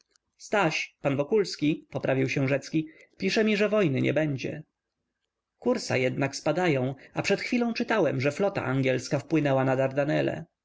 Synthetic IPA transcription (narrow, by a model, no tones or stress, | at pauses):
st̪aɕpanvɔkulskʲipɔpɾavʲiwɕɛw̃ʐɛt̪skʲipʲiʂɛmʲiʐɛvɔjnɘɲʔɛ̰bɛɲd͡ʑɛ̰ | kuɾsa̰jɛd̪nakspad̪ajɔ̃w̃apʂɛt̪xfʲilɔ̃w̃t͡ʂɘt̪awɛmʐɛflɔt̪a̰ʔaŋɡʲɛlskafpwɘnɛwanad̪aɾd̪anɛlɛ̰